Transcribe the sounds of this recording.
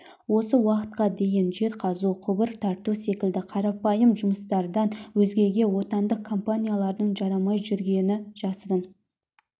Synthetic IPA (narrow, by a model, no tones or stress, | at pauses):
wo̞səwɑqə̥t̪̚qɑd̪e̞jɪnʒe̞ɾqʰɑzuqʰʊbəɾt̪ʰɑɾt̪use̞kʲɪld̪ɪqʰɑɾɑpɑjəmʒʊməst̪ɑɾd̪ɑnwɵzɡʲe̞ɡʲe̞wo̞t̪ɑnd̪əq̚kʰːo̞mpanʲijalˠɑɾd̪əɴʒɑɾɑmɑjʒʏɾɡʲe̞nɪʒ̥ɑsəd̪əm